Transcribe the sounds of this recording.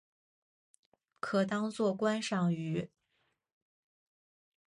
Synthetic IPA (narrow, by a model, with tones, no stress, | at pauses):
kʰɤ˨˩t̪ɑ˥ŋt͡swɔ˥˩kwa˥nʂɑ˥˩ŋy˧˥